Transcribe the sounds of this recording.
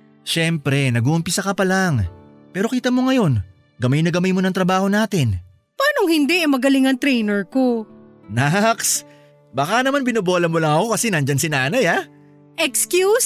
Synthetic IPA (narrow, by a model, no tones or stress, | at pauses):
ʃɛmpɾɛnɐɡuʔʊmpisɐkɐpɐlaŋ | pɛːɾo̞kiːt̪ɐmo̞ŋɐjo̞n | ɡɐmajnɐɡɐmajmo̞nɐŋt̪ɾɐbaːho̞naːt̪ɪn | paːnoŋhɪnd̪ɛʔɛmɐɡɐlɪŋɐŋt̪ɾɛjnɛɹkonaks | bakanɐmanbɪnoboːlɐmolɐŋɐko̞kɐsɛnɐnd͡ʒɐnsɪnaːnɐja | ʔɛkskjus